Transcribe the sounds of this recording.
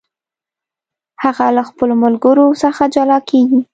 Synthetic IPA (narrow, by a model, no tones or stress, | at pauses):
haɣalaxpəlomʊlɡəɾosəxad͡ʒalɑkeɡi